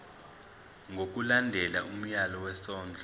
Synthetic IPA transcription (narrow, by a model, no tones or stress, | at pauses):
ŋʱok̬ʼulandʱɛlaʔum̩jalɔwɛsɔːnd͡ɮʱɔ